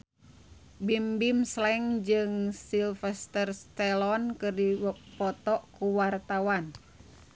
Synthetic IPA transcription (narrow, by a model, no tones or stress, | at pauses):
bimbimslɛŋd͡ʒɨŋsilfɛst̪ərst̪ɛlɔnkɨrdipɔt̪ɔʔkuwart̪awan